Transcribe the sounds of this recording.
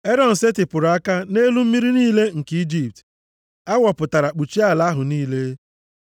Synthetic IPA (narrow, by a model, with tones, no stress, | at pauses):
e˦ɾɔ˨n̩˨se˦tɪ˨pʊ˨ɾʊ˨a˦ka˦ne˦lu˦m̩˦mi˦ɾi˦niː˦le˦ŋ̩˨ki˦d͡ʒi˦p̚t | a˦wɔ˨pʊ˨ta˨ɾa˨k͡pu˨t͡ʃi˦a˦˨la˨˦ɦʊ˨niː˦le˦